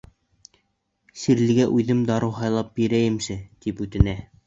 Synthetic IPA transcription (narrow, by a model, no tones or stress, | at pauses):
siɾlɘ̆ɡæʔʉðɘmd̪ɑɾɤwɦɑjlˠɑp̚biɾæjɘ̆msɘt̪ipʉt̪ɘ̆næ